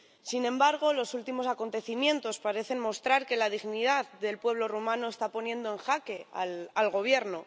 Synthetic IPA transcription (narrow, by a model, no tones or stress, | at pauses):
sinẽ̞mbaɾɣ̞o̞lo̞sult̪imosako̞nt̪e̞θimjẽ̞nt̪o̞spaɾe̞θe̞nmo̞st̪ɾaɾke̞laðiɣniðaððe̞lpwe̞β̞lo̞rumãno̞est̪apo̞njẽ̞nd̪oe̞ŋxake̞alalɣo̞β̞je̞ɾno̞